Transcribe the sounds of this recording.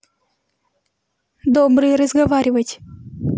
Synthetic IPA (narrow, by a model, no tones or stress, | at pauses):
d̪oːbɾɨɾəzɡɐvaɾʲivətʲ